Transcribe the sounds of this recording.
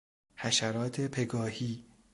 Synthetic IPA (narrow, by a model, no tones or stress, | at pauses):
hæʃæɾɒːt̪ʰepʰeɡɒːhiː